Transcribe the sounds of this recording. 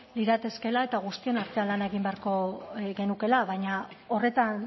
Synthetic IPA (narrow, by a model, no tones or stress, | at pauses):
liɾat̪e̞ske̞laet̪aɣ̞ust̪io̞naɾt̪e̞alanaeɣ̞imbe̞aɾko̞ɣe̞nuke̞laβajɲao̞re̞t̪an